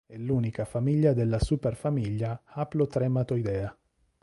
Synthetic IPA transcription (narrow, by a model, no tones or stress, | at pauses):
ɛlːuːnikafamiʎːad̪elːasuːperfamiʎːaaplot̪ɾɛmat̪oid̪ɛːa